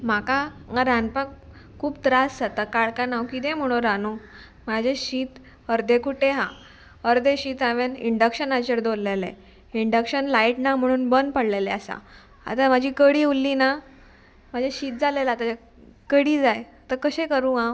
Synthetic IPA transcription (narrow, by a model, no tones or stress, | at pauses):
m̤aka | ŋaɾanpak | kʰːuːb̚t̪ɾasd͡zat̪akaɭkanaʋkid̪ẽm̤əɽ̃õɾano | mad͡ʑʱeɕiːt̪ | əɾd̪ʱẽkuʈeɦã | əɾd̪ʱeɕiːt̪aʋenḭɳɖəkɕənat͡ɕəɾd̪olːelḛ | iɳɖəkɕənlaiʈnam̤əɽ̃uːnbənpəɽleleasa̰ | a̰t̪amad͡ʑʱiːkəɽiulːina | m̤ad͡ʑʱaɕiːt̪̚d͡zalelat̪aa | kəɽiːd͡zaj | t̪əkəɕẽkəɾũɦã